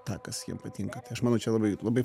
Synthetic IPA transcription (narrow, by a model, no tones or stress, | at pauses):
t̪ɑːkɐsjḭɛmpɐt̪ʲɪŋkɐt̪ɐɪɐʃmɑnɐʊt͡ʃʲɛlˠɐbɐɪlˠɐbɐɪ